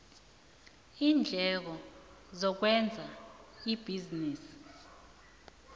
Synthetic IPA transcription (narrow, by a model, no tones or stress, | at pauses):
iːnd͡ɮʱɛk̬ɔ | zɔk̬wɛnd͡zʱaib̥ʱiziniːsi̥